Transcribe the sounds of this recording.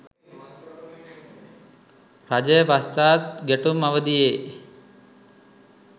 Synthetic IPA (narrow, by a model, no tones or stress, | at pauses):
rad͡ʒəjəʋast̪aːt̪̚ɡeʈumaʋəd̪ijeː